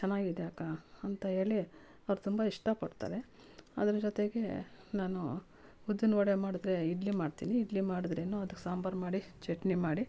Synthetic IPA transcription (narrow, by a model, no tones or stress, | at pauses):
t͡ʃɛnːaːɡid̪eaːkaɐnt̪ɐɦe̞ːɭi | ɐʋɾut̪umbɐiʂʈɐpɐɽt̪a̰ːɾe̞ | ɐ̰d̪ɐɾɐd͡ʒɔt̪e̞ɡe̞naːnu | ud̪ːinɐʋɐɽemaːɽud̪ɾe̞iɖlimaːɽt̪iːniːɖlimaːɽud̪ɾe̞ːnuɐd̪ɐkːesaːmbɐɾmaːɽit͡ʃeʈnimaːɽi